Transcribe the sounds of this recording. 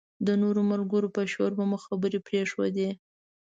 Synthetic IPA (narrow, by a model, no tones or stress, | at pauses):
d̪ənoɾomalɡəɾopəʃoɾbamuxabəɾepɾeʂwo̰d̪e